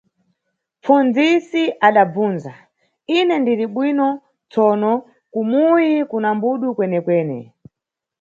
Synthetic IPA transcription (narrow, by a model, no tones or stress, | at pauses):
p͡fund͡zisiʔaɗab͡vuːnza | inɛndiɾiɓwinɔ | t͡sɔːnɔ | kumujikunambuɗukwɛnɛkwɛːnɛ̰